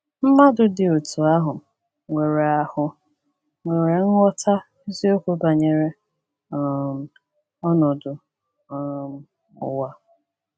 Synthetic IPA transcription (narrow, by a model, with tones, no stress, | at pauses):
m̩˦ma˦dʊ˨dɪ˨o˨tu˨a˦ɦʊ˨m˨ | ŋʷe˨ɾe˨a˨hʊ˨ | ŋʷe˨ɾe˨ŋ̩˦ŋʷɔ˦tʰa˦ | i˦zi˦o˦kʷo˦ba˨ɲe˨ɾe˦˨ | m̩˨ | ɔ˦nɔ˨dʊ˨ | ʊ̰˨wa˦